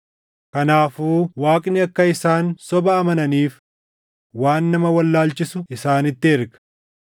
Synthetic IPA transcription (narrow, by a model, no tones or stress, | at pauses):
kɐnaːfuːwaːkʼnɪɐkːɐɪsaːnsɔbɐːmɐnɐniːf | waːnːɐmɐwɐlːaːlt͡ʃːɪsʊɪsaːnɪt̪ːɪɛɾɡɐ̥